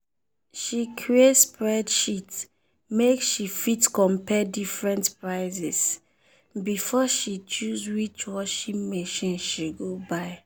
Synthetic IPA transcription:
ʃikʰɹietspɹɛdʃit | meksʃifitkɔ̃mpʰɛdifɹɛ̃ntpɹaɪzɛs | bifɔʃit͡ʃuzwit͡ʃwɔʃipmeʃĩnʃiɡobaɪ

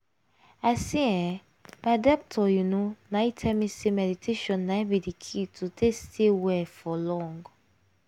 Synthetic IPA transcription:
asiɛ̃ | badɔp̚tʰɔjunũnãitʰɛmĩsemɛditʰeʃɔ̃nːãibidikʰitʰutʰestʰewɛfɔlɔ̃ŋɡ

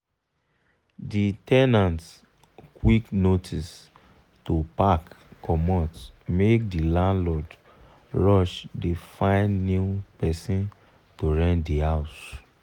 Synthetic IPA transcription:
ditɛnãnt | kwiknotʰis | topakː | ɔmɔ̃tmek̚dilãnlɔd | ɹɔʃdefãɪ̃nnupɛsĩn | toɹɛ̃ndihaʊs

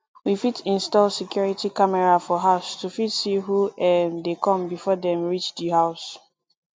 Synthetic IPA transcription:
wifitĩnstɔlsɛkjɔɹitikamɛɹafɔɦaʊstufitsiɦuɛdekɔ̃mbifɔdɛ̃mɹit͡ʃdihaʊs

